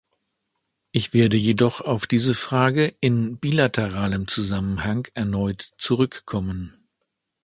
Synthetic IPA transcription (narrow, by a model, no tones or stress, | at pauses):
ʔɪçv̥eːɐdəjedɔχaʊfd̥iːzəfʁ̥aːɡəɪnbiːlatʰəʁaːləmt͡suzamənhaŋɛɐnɔʏtt͡suʁʏkːʰɔmən